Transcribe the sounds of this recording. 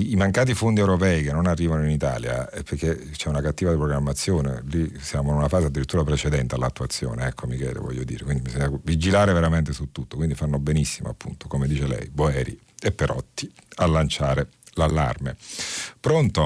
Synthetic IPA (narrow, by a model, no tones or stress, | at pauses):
imaŋkaːt̪̬ifond̪iɛwɾopɛːikenːonarːiːvanoinit̪a̰ːlja̰ɛpːeɾk̟e | t͡ʃɛunakat̪ːiːvad̪ipɾoɡɾamːat̪sːjoːnḛlisjaːmoinunafaːzead̪ːiɾit̪ːuːɾapɾet͡ʃed̪ɛnt̪ealːat̪ːuat̪sːjo̰ːneɛkʰːomikɛ̰ːlḛvɔ̰ʎːod̪ḭːɾḛkwind̪imisoɲːavid͡ʒilaːɾeveɾament̪esut̪ːut̪ːokwind̪ifanːobenisːimo̰apːunt̪o̥komed̪iːt͡ʃelɛ̰jboɛːɾḭ | epːeɾɔt̪ːialːant͡ʃaːɾelalːa̰rmepɾont̪o